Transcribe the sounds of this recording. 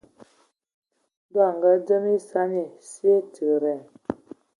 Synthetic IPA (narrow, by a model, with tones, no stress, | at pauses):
da˦˨ŋ˨ɡa˦d͡zə˦mi˦sa˦ni˨si˦e˦tʰə˨ɾɛ˨